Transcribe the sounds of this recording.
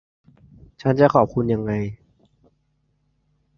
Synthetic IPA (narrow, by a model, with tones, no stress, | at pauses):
t͡ɕʰa˦˥nt͡ɕa˨˩kʰɔː˨˩p̚kʰu˧nja˧ŋːa˧j